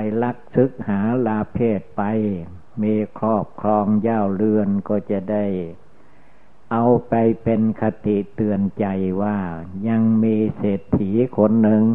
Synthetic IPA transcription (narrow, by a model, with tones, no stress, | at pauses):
jla˦˥k̚sɯ˧˦k̚haː˩˦laː˧pʰeː˥˩t̪̚pa˧j | miː˧kʰɔː˥˩p̚kʰɔː˧ŋjaː˧˩wlɯ˧ənkɔː˧˥˩t͡ɕa˨˧˩da˥˩j | ʔa˧wpa˧jpe˧nkʰa˧t̪i˨t̪ɯ˧ənt͡ɕa˧jwaː˧˥˩ɲa˧ŋmiː˧seː˨˩t̪ʰːiː˩˦kʰo˧nːɯ˧ŋ